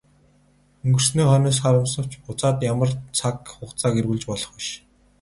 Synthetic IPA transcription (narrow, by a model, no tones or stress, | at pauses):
ɵŋɡɵ̆r̥sniːχœnɔːs̬χaɾə̆msə̆w̥t͡ɕʊt͡saːt̪jamə̆rt͡sʰakχʊχt͡saːɡerɣɘɮt͡ɕpɔɮɞ̥̆χĭʃ